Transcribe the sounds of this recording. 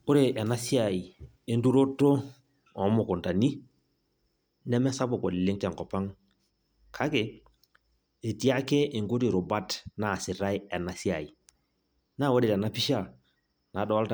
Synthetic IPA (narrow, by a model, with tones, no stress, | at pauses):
ʊ˦ɾe˨ʔɛ˨na˦si˦a˨i˨ | e˦ndu˦ɾo˦tːo˦ | ɔ˨˦mʊ˨kʊ˨nta˨ni˦ | nɛ˦mɛ˦sa˦bo˨ko˨lɪ˨le˦ŋtɛ˨ŋkɔ˨pa˦ŋ | kʰa˦ke˨ | e˨ti˦a˦ke˦ʔe˨ŋɡu˦ti˨ɾʊ˨ba˦tnaː˨sɪ˨ɾa˦jɛ˨na˨si˦a˨i˨ | na˦˨wo˦dɪ˨tɛ˨na˦pi˦ʃa˦˨ | na˨˦dɔ˨a˦lta